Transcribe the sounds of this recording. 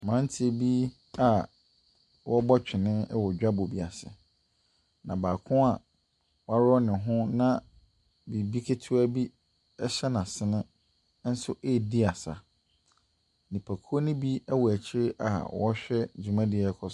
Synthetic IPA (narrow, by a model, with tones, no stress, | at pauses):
mã˨˦n̩˦tʰɪ˦˨˦bi˦ | a˨ | wɔ˦bɔ˦t͡ɕᶣɪ˨nɪ̃˦ɛ˦wɔ˨d͡ʑᶣa˦bo˨bi˨a˨sɪ̰˨ | nã˨baː˨kʰʊ̃˦a˨ | wa˦ɾɔ˦nɪ̃˨ɦʊ̃˦nã˦˨ | bi˨bi˦kʰe˦tʰu˦æ˦bi˦ | ɛ˦ɕɛ˦nã˨sɪ˨˦nɪ̃˦ | n̩˦sʊ˦ʔe˦˨di˦a˨sa̰˨ | nĩ˨pʰa˨kʰu˦o˦nɪ̃˦bi˦ɛ˦wɔ˨æ˨t͡ɕʰɪ˦ɾɪ˦ʔa̰˨wɔ˦ɕᶣɛ˦d͡ʑu˨mã˦dɪ˨ɛ˦kʰɔ˦˨